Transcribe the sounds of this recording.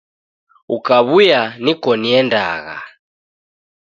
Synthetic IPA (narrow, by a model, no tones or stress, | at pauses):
ukaβujanikɔniɛnda̰ɣa̰